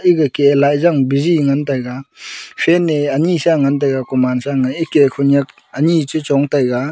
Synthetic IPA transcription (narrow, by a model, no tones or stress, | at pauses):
iɡakeːlajzaŋbiziŋantajɡapʰeneɐnisaŋant̬ajɡakɔmansaŋajikekʰunjak̚ | ɐnit͡ʃɯt͡ʃɔŋtajɡa